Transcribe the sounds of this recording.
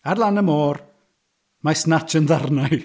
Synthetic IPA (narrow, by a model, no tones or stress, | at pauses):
arlˠanəmoːr | masnat͡ʃʰənðarnaj